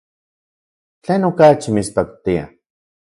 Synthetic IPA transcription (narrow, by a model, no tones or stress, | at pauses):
t͡ɬeːnokat͡ʃimit͡spakt̪ia̰